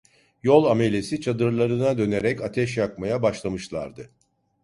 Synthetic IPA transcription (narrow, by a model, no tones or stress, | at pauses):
jo̞lˠame̞lʲe̞sit͡ʃʰad̪ɯɾlˠaɾɯnad̪ø̞ne̞ɾɛcat̪ʰɛʃjakmajabaʃlˠamɯʃlˠa̰ɾd̪ɯ